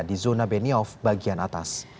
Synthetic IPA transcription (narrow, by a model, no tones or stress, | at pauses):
dizonabɛniɔfbaɡianat̪a̰s